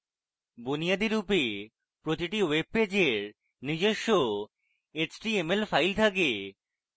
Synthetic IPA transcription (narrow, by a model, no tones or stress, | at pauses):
bonijad̪iɾupe | pɾot̪iʈiweb̚ped͡ʑeɾ | nid͡ʑeʃːo | et͡ɕʈiemelfajlt̪ʰake